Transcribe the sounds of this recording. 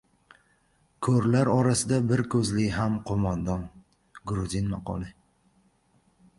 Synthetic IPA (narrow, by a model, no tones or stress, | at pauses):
kʰɵɾlaɾɒɾasɪd̪abɪɾkʰɵzlɪɦamqʰomand̪ɒn | ɡɾuzɪnmaqɒ̰lˠɪ